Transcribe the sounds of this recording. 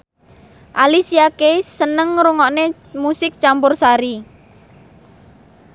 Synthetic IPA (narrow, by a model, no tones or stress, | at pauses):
ʔalisiakeːənəŋɾuŋɔʔne | musɪk̚t͡ʃampʊrsaɾi